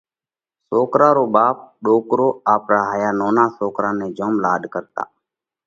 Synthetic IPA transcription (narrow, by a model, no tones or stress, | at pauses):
soːkɾaːɾoːbaːp̚ɗoːkɾoːaːpɾaːɦaːjaːnoːnaːsoːkɾaːneːd͡ʒoːmlaːd̪ʱkəɾt̪a̰ː